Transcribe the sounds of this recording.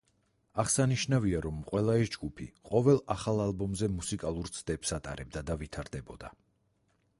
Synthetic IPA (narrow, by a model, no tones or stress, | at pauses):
aʁsaniʃnaviaɾɔmːqʼwɛlˠaisd͡ʒɡupʰiqʼɔvɛlˠaχalˠalˠbɔmzɛmusikʼalˠuɾt̪sʰd̪ɛpsat̪ʼa̰ɾɛb̚d̪ad̪avit̪ʰaɾd̪ɛbɔd̪a